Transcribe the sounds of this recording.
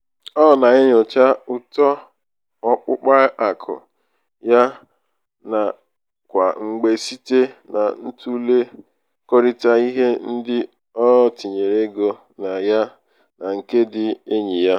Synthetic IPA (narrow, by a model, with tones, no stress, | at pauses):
ɔ˦˨na˨e˦ɲʊ˨t͡ʃa˦ʊ˦tɔ˦ | ɔ˦k͡pʊ˦k͡pa˦ʔa˨kʰʊ̰˨ | ja˦ | na˨ | kʷa̰˨ŋ͡m̩˨ɡ͡be˨si˦te˦na̰˨n̩˦tu˦le˦ | ko˦ɾi˦ta˦i˦ɦe˦n̩˦dɪ˦ | ɔ˦ti˨ɲe˨ɾe˦ɡo˦ | na˨ja˦ | na˨ŋ̩˨ke˦dɪ˦e˦ɲi˨ja˦